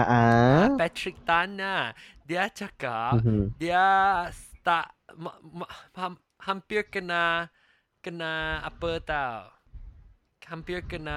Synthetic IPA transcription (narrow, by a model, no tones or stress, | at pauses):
aʔaapɛtɹik̚t̪anːadiat͡ʃakap̚diast̪atmmha | hampiɹkəna | kənaa̰pət̪aw | hampiɹkəna